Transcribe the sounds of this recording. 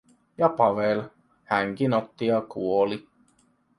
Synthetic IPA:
jɑpɑʋel | hæŋk̟inot̪ːijɑkuoli

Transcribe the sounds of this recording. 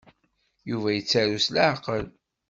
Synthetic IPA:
juvæjət͡sːæɾuslaʕqəl

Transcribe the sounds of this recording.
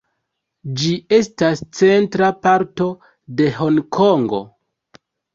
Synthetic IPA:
d͡ʒie̞stast͡se̞ntɾapaɾto̞ | de̞ɦo̞ŋkʰoŋɡo̞̰

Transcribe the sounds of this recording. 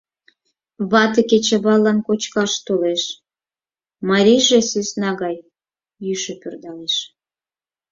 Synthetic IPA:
βɑt̪əket͡ɕəβɑlːɑnkot͡ɕkɑʃt̪oleʃ | mɑɾʲijʒesysnɑɣɑj | jyʃepørd̪ɑleʃ

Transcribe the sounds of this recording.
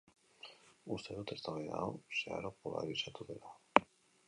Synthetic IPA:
ust̪eðot̪est̪aβaja̰osea̰ɾopola̰ɾisat̪uðela

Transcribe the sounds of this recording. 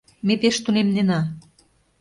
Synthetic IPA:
mepeʃt̪unemnenɑ

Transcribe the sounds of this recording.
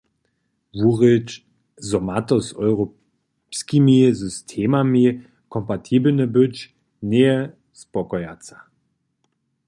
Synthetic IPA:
vuʁɪt͡ʃ | zɔmatɔsɔʏʁo | pskimizystʰeːmami | kʰɔmpatʰiːbl̩nəbʏt͡ʃ | neə | spɔkɔjat͡sa

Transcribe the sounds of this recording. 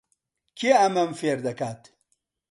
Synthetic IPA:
kiamɐmfeɾd̪ɐkat̪

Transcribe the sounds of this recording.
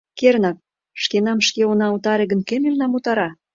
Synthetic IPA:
kernɑk̚ | ʃkenɑmʃkeonɑut̪ɑɾĕɣə̆nkemylnɑmut̪ɑɾɑ

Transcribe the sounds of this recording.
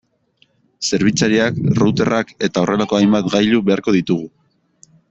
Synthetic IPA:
se̞ɾβ̞it͡saɾiakrut̪e̞rʔake̞t̪ao̞re̞lako̞ajmbat̪ɡajluβe̞aɾko̞ðit̪uɣu

